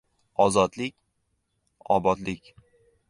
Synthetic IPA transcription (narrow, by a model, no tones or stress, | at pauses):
ɒzɒd̪lɪkʲ | ɒbɒd̪lɪkʲ